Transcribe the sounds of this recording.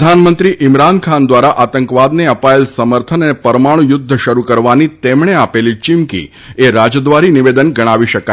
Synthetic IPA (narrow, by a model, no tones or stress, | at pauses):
d̪ʱanmənt̪ɾiʔɪmɾankʰand̪ʋaɾaʔat̪əŋkʋad̪neəpaelsəməɾt̪ʰənənepəɾmaɽ̃ujʊd̪ʱːəʃəɾukəɾʋanit̪emɳeapelit͡ʃɪmkḭ | eɾad͡ʒd̪ʋaɾiniʋed̪ənɡəɽ̃aʋiʃəka